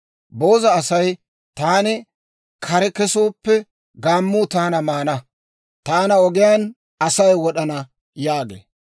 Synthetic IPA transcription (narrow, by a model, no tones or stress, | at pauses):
bo̞ːzɐːsɐj | t̪aːnɪ | kʰɐɾɛkɛsoːpːɛ | ɡaːmːut̪aːnɐmaːnɐ | t̪aːnɐɔɡɪjan | ɐsɐjwɔɗɐnɐ | jaːɡḛː